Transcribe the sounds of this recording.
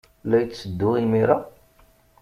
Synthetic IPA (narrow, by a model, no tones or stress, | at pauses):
læjːəd̪ːʊimiɾa